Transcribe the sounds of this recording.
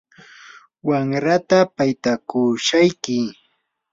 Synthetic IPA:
waŋɾat̪apajt̪akʊʃajkɪ

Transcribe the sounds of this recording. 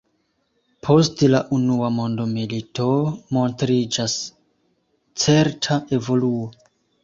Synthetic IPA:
pʰo̞stelaʔunuamo̞ndo̞milito̞mo̞ntɾid͡ʒas | t͡se̞ɾtʰaʔe̞vo̞luo

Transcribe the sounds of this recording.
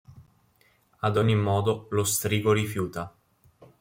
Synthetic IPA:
ad̪oɲːimɔːd̪olost̪ɾiːɡoɾifjuːt̪a

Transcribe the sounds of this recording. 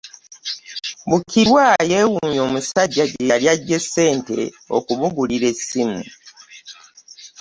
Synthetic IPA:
βukiɾwaːje̞ːwuɲo̞ːmusaɟːaɟeljaɟːe̞sːe̞ːnte̞̰ | o̰kuβuɡuliɾe̞simṵ

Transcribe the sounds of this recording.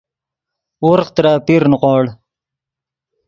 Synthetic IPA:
uɾqt̪ɾaːpiɾnʊqɑːɽ

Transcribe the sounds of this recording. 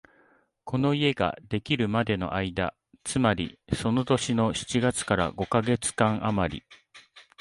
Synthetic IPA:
kʰo̞no̞ie̞ɡa̰d̪e̞kʲiɾɯ̟mad̪e̞no̞̰ʔaid̪a̰ | t͡sɨmaɾʲḭso̞no̞t̪o̞ɕino̞ɕi̥t͡ɕiɡat͡sɨ̥kaɾa̰ɡo̞kaɡe̞t͡sɨ̥kãɰ̃ʔamaɾʲḭ

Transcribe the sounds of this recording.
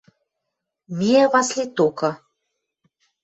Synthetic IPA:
mieβɑslʲit̪okɤ̆

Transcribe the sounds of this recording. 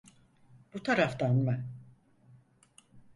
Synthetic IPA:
b̥ut̪ʰaɾaft̪anman

